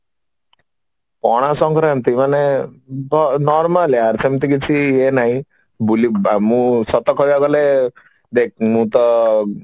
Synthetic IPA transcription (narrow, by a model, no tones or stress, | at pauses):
pɔɽ̃asɔŋkɾɔemt̪imanebɔnɔɾmaleaɾsemt̪ikit͡ʃʰienaɦĩ | buliamũsɔt̪ɔkʰɔjaɡɔle | d̪ek̚mũt̪ɔ